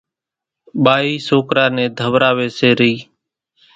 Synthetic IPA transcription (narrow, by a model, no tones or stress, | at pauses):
ɓaːiːsoːkɾaːnẽːd̪ʱəʋɾaːʋeːseːɾiː